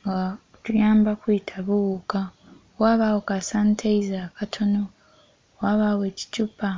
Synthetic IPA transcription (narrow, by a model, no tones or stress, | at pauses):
ŋɡa | tujaːmbakwiitʰaβuuka | waβawokasantʰeizaːkatʰo̞no | waːβaweːci̥cupa